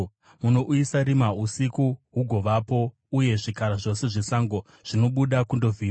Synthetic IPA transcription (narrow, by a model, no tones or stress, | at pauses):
muno̞ʔuisaɾimausikuɦuɡʱo̞ʋapo̞ | uje̞ʐikaɾaʐo̞se̞ʐe̞saːŋɡo | ʐ̥ino̞ɓuɗakundo̞vʱiː